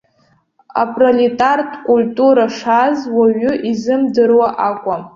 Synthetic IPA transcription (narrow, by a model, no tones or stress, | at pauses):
a̰pʼrolitʼartʰʼkʷʼultʼuɾaʂazwaɥʊʔizɨmdɨrwaʔakʷʼam